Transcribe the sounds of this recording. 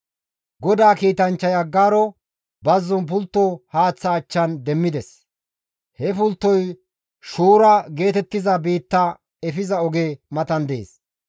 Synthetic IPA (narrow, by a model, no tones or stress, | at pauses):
ɡɔd̪aːkiːt̪ɐnt͡ʃːɐjɐɡːaːɾɔ | bɐzːɔnp̬ʊlt̪ːɔhaːt͡sːɐːt͡ʃːɐnd̪ɛmːɪd̪ɛs | hɛpʊlt̪ːɔj | ʃuːɾɐɡe̞ːt̪ɛt̪ːɪzɐbiːt̪ːɐ | ɛfɪzɐɔɡeːmɐt̪ɐnd̪e̞̰ːs